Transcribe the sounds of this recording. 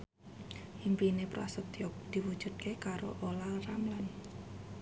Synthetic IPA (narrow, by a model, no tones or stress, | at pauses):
ʔimpinepɾa̰sət̪iɔk̚d̪̥i̤wud̥ʒ̥ṳt̪̚kʰekaɾo̰ʔolaramlan